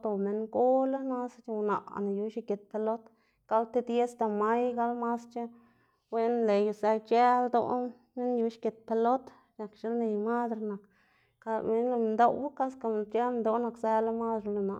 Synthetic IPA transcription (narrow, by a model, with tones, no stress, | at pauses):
d̪o˨me˧ŋɡo˦la˦na˦st͡ʃe˧na̰˨ʔna˨ju˧ʃi˧ke˨t̪̚pe˧lo˦t̪ | ka˦lt̪e˦d̪je˦sd̪a˧˨ma˦jɡa˦lma˦st͡ʃe˦ | we˦nle˨ju˧sa˧t͡ʃe˦ld̪o̰˧˦ | me˦nju˧ʃke˨t̪̚pe˧lo˦t̪ | na˨kʃe˦lne˨jma˦d̪ɾna˨k | a˧me˦nla˧nd̪o˧wwa˦ka˦ska˧˨t͡ʃa˦mnd̪o˧˦na˧kza˧la˦ma˦d̪ɾla˧˨na̰˨